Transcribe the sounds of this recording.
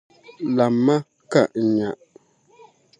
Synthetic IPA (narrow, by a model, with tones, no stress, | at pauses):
la˨mːa˦ | ka˨ʔ̩˨ɲa˨ʔ